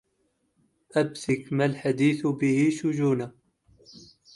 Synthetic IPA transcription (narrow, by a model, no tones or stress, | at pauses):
ʔabsɪkmalħad̪iːθbɪhɪʃʊd͡ʒuːna